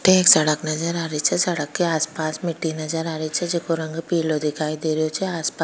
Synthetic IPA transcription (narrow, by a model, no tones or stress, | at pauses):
ʈeːksɐɽəknɐd͡ʒəɾaːɾit͡ʃʰɛsɐɽəkːeaːspaːsmɪʈːinɐd͡ʒəɾaːɾit͡ʃʰɛd͡ʒɪkoɾɐ̃ŋɡpiːlod̪ɪkʰaːid̪eːɾijot͡ʃʰɛaːspa